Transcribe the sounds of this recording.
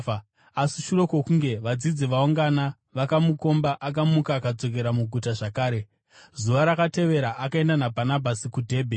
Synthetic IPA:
asiʃuɾo̞kokuŋɡe̞ʋad͡zid͡ziʋauŋɡana | ʋakamuko̞mbaʔakamukaːkad͡zo̞k̬e̞ɾamuɡʱutaʐakaːɾe̞ | zuʋaɾakate̞ʋe̞ɾaʔakae̞ndanabʱanabʱasikudʱe̞ːbʱe

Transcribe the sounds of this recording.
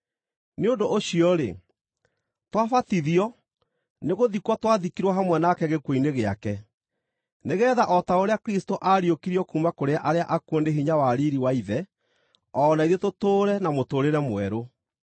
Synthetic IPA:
neondoːɕiɔɾḛ | twafatiðiɔ | neɣoðikwɔtwaðikiɾwaɦamwɛnakɛɣekwoineɣeakɛ | neɣɛːðaʔɔtaoɾeakeɾistoʔaɾiokiɾiɔkumakoɾeaʔaɾeaʔakwondeɦiɲawaɾiɾiwaiðɛ | ɔːnaiðetotoːɾɛnamotoːɾeɾɛmwɛɾo

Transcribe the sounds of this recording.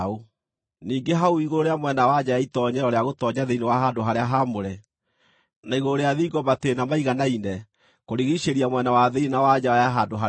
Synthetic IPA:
o | niːŋɡeɦauiɣoɾeamwɛnawad͡ʑajaitɔɲɛɾɔɾeaɣotɔɲaðeinewaɦadoɦaɾeaɦamoɾɛ | naiɣoɾeaðiiɡɔbatenamaiɣanainɛ | koɾiɣiɕeɾiamwɛnawaðeinawad͡ʑawajaɦadoɦa

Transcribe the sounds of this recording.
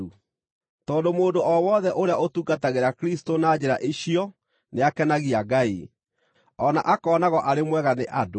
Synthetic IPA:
u | tɔːndomoːndoʔɔwɔðɛʔoɾeaotuɡataɣeɾakɾistonaːd͡ʑeɾaʔeɕiɔ | neakɛnaɣiaɡai | ɔna̰ʔakɔːnaɣɔʔaɾemwɛɣaneʔado

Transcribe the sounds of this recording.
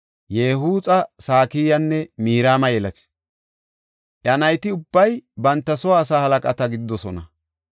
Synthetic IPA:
jeːhuːt͡sʼɐsaːkiːjɐnːɛmiːɾaːmɐjɛlɐt̪ɪ̥ | ʔjɐnɐjt̪ɪʊbːɐjbɐnt̪ːɐsɔwaːs̬aːhɐlɐkʼɐt̪ɐɡɪd̪ɪd̪ːɔsɔnɐ

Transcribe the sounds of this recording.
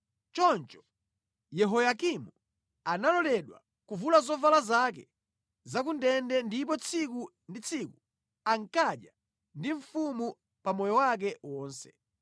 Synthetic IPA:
t͡ʃɔnt͡ʃɔ̥ | jɛɦɔjakimu | analɔlɛɗwa̰ | kuvulazɔvalazak̬ɛ | zakundɛndɛndip̬ɔt͡sʰiku | ndit͡sʰiku | aŋkaɗja | ndiɱfumu | pamɔjɔwak̬ɛwɔːnsɛ̥̰

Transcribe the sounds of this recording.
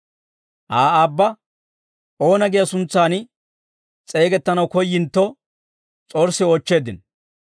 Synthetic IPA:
ʔaːaːbːɐ | ʔo̞ːnɐɡɪjɐsʊnt͡sːaːn | t͡sʼe̞ːɡɛt̪ːɐnɐwkɔjːɪnt̪ːɔ | t͡sʼoːɾsːɪoːt͡ʃːe̞ːd̪ɪn

